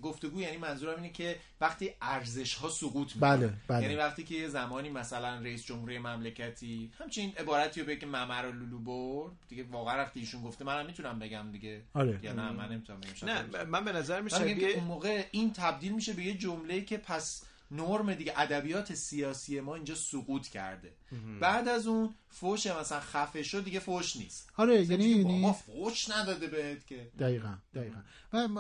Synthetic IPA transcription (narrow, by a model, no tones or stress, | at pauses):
ɡoft̪e̞ɡuːjæːniːmænzuːɾæmiːnecʰe̞ | væxt̪iːæɾze̞ʃhɒːsoɣuːt̪ʰmibælebæjænivæxt̪iːcʰe̞jezæmɒːniːmæsælænreiːsd͡ʒomhuɾijemæmlecʰæt̪ʰiːhæmt͡ʃʰeiːne̞bɒːɾæt̪ʰiɾobeɟecʰemæmæɾoluluboɾd̪d̪iɟe̞vɒːɣæænvæχt̪iːʃunɡoft̪emænæmːit̪ʰunæmbe̞ɟæmd̪iɡe̞ɒɾejnæmæ̰nːemit̪ʰunæmbeæmʃænæmænbenæmzæɾmiʃmæmiɡɟæmkeunmoːɣe̞int̪ʰæb̚d̪iːlmiːʃe̞be̞jed͡ʒomle̞iːcʰe̞pʰæs | noɾmed̪iɡeʔæd̪æbijɒːt̪ʰe̞sijɒːsie̞mɒːiːnd͡ʒɒːsuɣuːt̪ʰcʰæ̰ɾd̪e̞ | bæːd̪æzun | foʃemæsælænxæfe̞ʃod̪d̪iɟefoʃnḭːst̪ɒɾejæninimɒfoʃnæd̪ɒːd̪ebehet̪cʲʰed̥æiːɣænd̪̥æiːɣæn | væ